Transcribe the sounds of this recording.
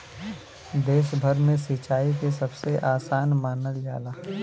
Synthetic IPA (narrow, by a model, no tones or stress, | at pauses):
d̪eːʃbʱəɾmẽsiːt͡ʃaːikesɐbseʔaːsaːnmaːnəld͡ʒa̰ːlaː